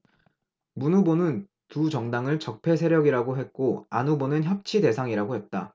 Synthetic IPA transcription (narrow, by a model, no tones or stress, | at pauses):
munubonɯn | tut͡ɕʌŋdaŋɯɭt͡ɕʌk̚pʰe̞s̬ʰe̞ɾjʌɡiɾaɡoɦe̞t̚k͈oanubonɯnçjʌp̚t͡ɕʰide̞sʰaŋiɾaɡohe̞t̚t͈a̰